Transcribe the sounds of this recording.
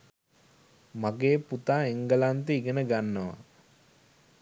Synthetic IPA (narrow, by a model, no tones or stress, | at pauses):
maɡeːput̪aːeŋɡəlant̪əiɡenəɡanːəʋa̰